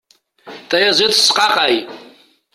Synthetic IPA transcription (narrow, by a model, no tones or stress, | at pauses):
tʼajazetʰʼsqʼaqʼaj